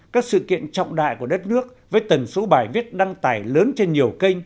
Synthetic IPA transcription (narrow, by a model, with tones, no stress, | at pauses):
kaː˦˥k̚sɨ̰˧˨kḭ˧˨ənt͡ɕɔ̰˧˨wŋ͡mɗa̰ː˧˨jku˧˩əɗə˦˥t̚nɨ˦˥ək̚vəː˨˦jt̪ə˨˩nso˨˦ɓaː˧˩jvi˦˥ət̚ɗa˧ŋt̪aː˧˩jləː˨˦nt͡ɕe˧nɲi˨˩əwkə˧jŋ̟